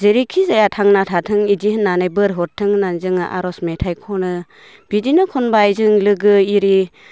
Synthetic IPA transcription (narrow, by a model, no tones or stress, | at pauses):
zeɾikʰizajatʰaŋnatʰatʰɯŋidiɦɯnːanajbɯɾɦɔɾtʰːɯŋnanzɯŋa̰ʔa̰ɾɔsmetʰajkʰɔnɯ | b̥idinɯkʰɔnbajzɯŋlɯɡɯiɾi